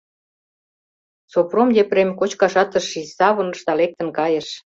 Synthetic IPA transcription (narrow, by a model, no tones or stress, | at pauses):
sopromjepremʲkot͡ɕkɑʃɑt̪ə̆ʃisɑβə̆nɤ̆ʃd̪ɑlek̚t̪ə̆nkɑjə̆ʃ